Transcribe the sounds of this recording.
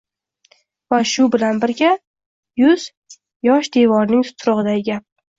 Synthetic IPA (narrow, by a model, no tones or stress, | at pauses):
vaʃʊbɪlanbɪɾɡʲa | jʊz̥ | jɒʃd̪e̞vɒɾnɪŋt̪ʰʊ̥t̪ʰɾʊʁɨd̪aɪɡʲap̚